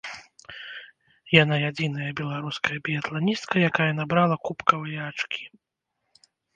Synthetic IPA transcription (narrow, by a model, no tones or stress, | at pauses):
janajad͡zʲin̪ɐjɐbʲɛlˠaɾuskɐjɐbʲijɐt̪lˠanʲist̪kɐjakajɐnabɾalˠɐkupkɐvɨjɐat͡ʂkʲi̥